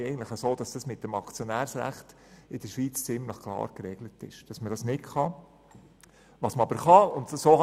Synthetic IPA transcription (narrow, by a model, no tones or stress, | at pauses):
ɛɪɡntləχəsoːd̥ɑsd̥ɑsmɪt̚d̥əmɑkt͡sjonæːɾsɾæ̰χt | ɪd̥əʃʋiːt͡st͡sɪmləχkʰlˠɑ̰ːɾkɾɛɡlətɪ̰ʃd̥ɑsmədɑsnɪtχɑ | ʋɑsməɑbəɾχɑʊntsoːhɑ